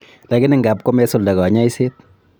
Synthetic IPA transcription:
la˨kɪ˦nɪ˨ŋɡa˨p̚ko˦mɛ˦sʊ˦˨lda˨ɡɔ˨˦ɲa˦i˦se˦t̪̚

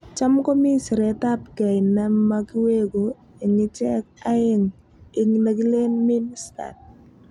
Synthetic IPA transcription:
t͡ʃamko˦mi˦si˨ɾɛ˨ta˦p̚kɛ˨jnɛ˦maki˦we˦ko˨ | ɪ˨ŋɪ˦t͡ʃɛ˦k̚a˦ɪŋ | ɪ˨ŋna˨ki˦le˦nmi˦nsta̰t̚

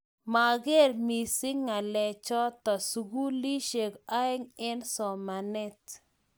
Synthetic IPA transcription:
ma˨ɡe˦˨ɾmi˨sɪ˦ŋa˨lɛ˨t͡ʃɔ˦t̪ɔ˨su˨ɡu˦li˦ʃe˨ka˦ɛ˦ŋɛ˦nsɔ˨ma˨nɛ˦t

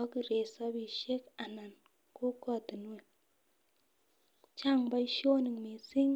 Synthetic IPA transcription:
ɔ˦ki˨ɾe˨sa˦bi˨ʃe˦ka˨na˨n | ko˦kɔ˦˨ti˨n˦e˨ | t͡ʃa˦˨ŋba˦i˦ʃo˦ni˨ŋme˨si˦ŋ

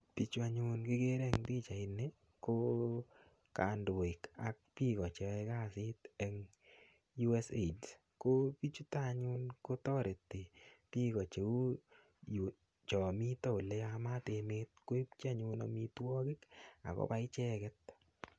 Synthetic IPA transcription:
pi˨t͡ʃu˦a˨ɲʊnkɪ˦ke˦ɾɛ˦ŋti˦t͡ʃa˨ɪ˨ne | ko˦ | ka̰˨ndo˨i˨kak̚pi˦kɔ˨t͡ʃe˨ɛ˧ka˦si˦tɛ˦ŋ | ju˦ɛ˦seds | ko˦pi˦t͡ʃu˦taɲu˦nko˦tɔ˦ɾe˨tːe˨pi˦kɔ˨t͡ʃe˨u˦ | ju˨ | t͡ʃɔ˨mi˦tɔ˦u˨lɛ˧ama˦te˧meːt̚ko˦i˦pt͡ʃa˦ɲʊ˧na̰mitwɔ˦kɪ˦ka̰˨kɔ̰˦pa˦ɪ˦t͡ʃɛ˦kɛ˦t̚

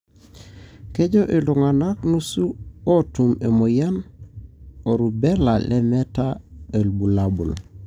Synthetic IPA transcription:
ke˦d͡ʒoʔi˨luŋa˨na˦knusu˦o˦tume˨moja˦n | o˨ɾubela˨lʔemetae˨lbu˨labṵ˨l

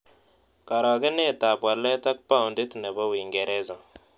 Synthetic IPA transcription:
ka˨ɾa˨ɡe˦ne˦˨ta˨bwa˨lːe˦ta˦k̚pa˦˨u˨ndi˦tne˨ba˦wi˨ŋɡe˨ɾɛ˦za˨ŋ

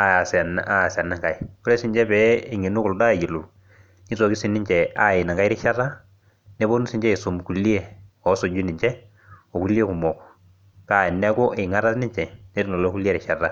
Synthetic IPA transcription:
a˨sna˦˨sa˨na˦ŋka˨i˨kʊ˦le˦sɪ˨ɲd͡ʒɛ˦pɛ˦ɪ˨ŋi˨nu˦kʊ˨lda˦˨ji˨lu˨ | ni˦to˨ki˦sɪ˨nɪ˦ɲt͡ʃɛ˨a˦˨ɪ˨na˨ŋka˦ɪ˦ɾɪ˦ʃa˦ra˦ | ne˦bo˦nu˦sɪ˨ɲd͡ʒɛ˦ɪ˨so˨m˨ku˨li˦e˦ | ɔ˨˦so˨d͡ʒu˦nɪ˨ɲt͡ʃɛ˦ | o˨ku˦li˦e˦ku˨mɔ˨k | ka˨ɪ˨nɛ˦ko˦ʔɪ˨ŋa˦ɾa˦snɪ˦ɲt͡ʃɛ˨ne˦ɾi˦no˨lo˦ku˦li˦e˦ɾɪ˨ʃa˨ra˦

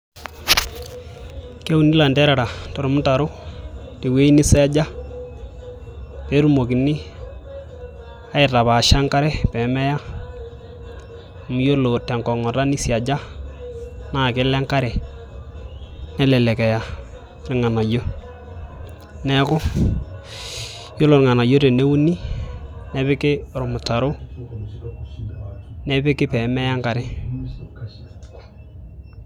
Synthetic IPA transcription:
ke˦u˦ni˦la˨ndɛ˦ɾɛ˨ɾa˨tɔ˨ɾʊ˨mʊ˦ta˨ɾʊ˦ti˨we˦i˦ni˦sɛ˦d͡ʒa˦ | pe˨˦ɾu˦˨mo˨ki˨ni˦ | a˦ɪ˨ta˨βaː˨ʃa˦ŋka˦ɾɛ˦pɛ˨˦mɛ˦ja˦˨ | mu˦jo˦lo˨tɛ˨ŋkɔ˨ŋɔ˨ɾa˦ni˦sja˨d͡ʒa˦ | naː˨kɪ˦lɛ˦ŋka˦ɾɛ˨ | nɛ˦lɛ˨lɛ˨kɛ˨ja˨ | ɾɪ˨ŋa˨na˨jo˦ | nɛ˦kʊ˦ | jo˦lo˨ɾŋa˨na˨jo˦ɾe˨ne˦u˦ni˦nɛ˨˦βɪ˦kɪ˦˨ɾʊ˨mʊ˨ta˨ɾʊ˦ | nɛ˦bɪ˦kɪ˦pɛ˨mɛ˦ja˦ŋka˨ɾɪ˨

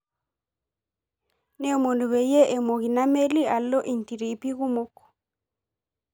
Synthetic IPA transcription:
ne˦mo˨ndu˨βe˨je˦ʔe˨mo˨ɣi˨na˦me˦li˦a˨lːɔ˦ʔi˨nti˨ɾi˨pi˦ɣu˦mo˦k

